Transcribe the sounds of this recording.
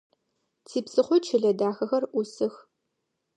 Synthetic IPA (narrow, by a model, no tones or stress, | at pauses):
tʰiːpsɨχʷɔt͡ʃʰɪɮɐdaːxɐxɐrʔʷʊsɨx